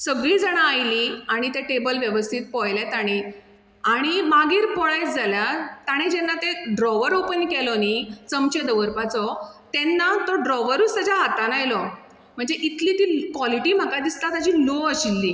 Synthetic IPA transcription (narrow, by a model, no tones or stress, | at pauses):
səɡɭiːd͡zəɽ̃aːjliaɽ̃it̪eʈebəlʋjəʋəst̪ʰit̪̚pɔjlɛt̪aɽ̃i | aɽ̃imaɡiːɾpɔɭajt͡sd͡zaljat̪aɽ̃id͡ʑɛnːat̪eɖɾɔʋəɾopənkɛlɔnit͡səmt͡ɕed̪əʋəɾpat͡sɔt̪ɛnːat̪ɔɖɾɔʋəɾusəd͡ʑaɦat̪anajlɔ | m̤əɳd͡zeʔit̪liːt̪iːkʋɔliʈiːm̤akad̪ist̪at̪ad͡ʑiːloəɕilːiː